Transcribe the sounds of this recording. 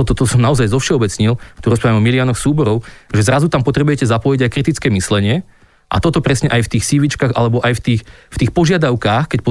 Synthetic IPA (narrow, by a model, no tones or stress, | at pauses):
ɔt̪ɔt̪ɔsɔmnaɔzajzɔfʃɛɔbɛt͡sɲilkt̪ɔɾɔs̬pɾaʋjamɔmilɪanɔxsuːbɔɾɔʊʒɛzɾazut̪ampɔt̪ɾɛbujɛcɛzapɔjiɟajkɾit̪it͡skɛːmislɛɲɪɛ | ʔa̰t̪ɔt̪ɔpɾɛsɲɛʔajft̪iːxsiːʋit͡ʃkaːɣa̰lɛbɔʔajft̪iːxft̪iːxpɔʒɪad̪aʊkaːxkɛc̚pɔ